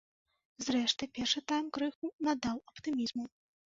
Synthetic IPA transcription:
zɾɛʂt̪ɨpʲɛrʂɨt̪ajmkɾɨxunad̪awɐpt̪ɨmʲizmu

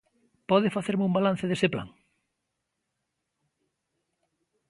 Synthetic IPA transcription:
pɔðɪfaθeɾmumbalan̟θɪðesepla̰ŋ

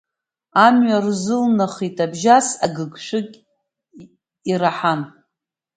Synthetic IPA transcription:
amɥarzɨlnaχitʼabʒasaɡɨɡʂɨkʲʼ | iɾaħan

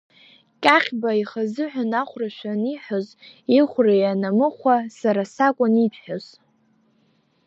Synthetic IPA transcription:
kʲʼaχʲbaiχazɨħʷᶣanaχʷraʃʷᶣaniħʷozeχʷrajanamɨχʷasaɾasakʷʼʊnipʰħᶣoz̥

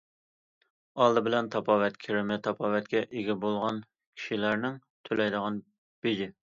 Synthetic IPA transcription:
ɑlˠd̪ɨbɪlɛnt̪ʰɑpʰɑwɛt̪kʲʰeɾɪmɛt̪ʰɑpʰɑvɛt̪kʲɛʔeɡʲibolˠʁɑn | kʲʰi̥ʃilæɾnɪŋt̪ʰølɛjd̪əʁɑn | b̥ed͡ʒ̪ɪ

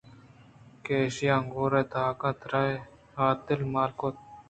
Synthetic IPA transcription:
keːʃiaŋɡoːɾɐt̪aːkɐ̃t̪ɾɐj | haːt̪ɪlmaːlkot̪̚

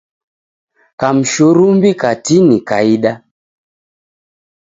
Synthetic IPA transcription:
kam̩ʃuɾumbikatinika̰iɗa

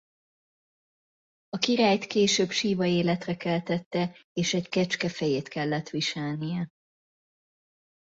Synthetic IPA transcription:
ɒkiɾaːjt̪keːʃøːbʃiːvɒeːlɛt̪rɛkɛlt̪ɛt̪ːɛeːʃɛckɛt͡ʃkɛfɛjeːt̪kɛlːɛt̪ʋiʃɛlnijɛ

